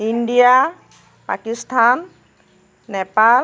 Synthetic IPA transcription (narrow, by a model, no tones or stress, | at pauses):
indija | pa̰kistʰanː | ɛpal